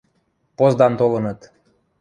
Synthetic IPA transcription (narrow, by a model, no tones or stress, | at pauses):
pozd̪ɑnt̪olɤ̆nɤ̆t̪